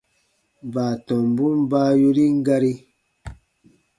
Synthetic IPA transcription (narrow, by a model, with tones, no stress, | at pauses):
baː˨tɔ̃˨mbu˦mbaː˦ju˦ɾi˦ŋ˦ɡa˧ɾi˦